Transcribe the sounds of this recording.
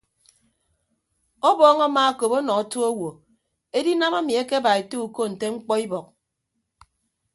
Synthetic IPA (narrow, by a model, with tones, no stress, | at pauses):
ɔ˦bɔː˦ŋa˦ma˦a˦ko˨po˦nɔ˨a˦to˦o˦wo˨ | e˦di˦na˦ma˦mi˨e˦ke˦ba˨e˨to˦u˨ko˦n̩˨te˦ŋ͡m̩˦k͡pɔ˦i˦bɔ˨k̚